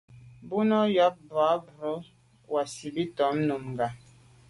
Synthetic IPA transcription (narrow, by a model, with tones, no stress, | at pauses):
bu˦nɔ˦jɔ˦p̚bwa˨˦bu˨ɾo˦ | wa˨si˨bi˦tɔ˨˦mno˨mŋ˨ɡa˨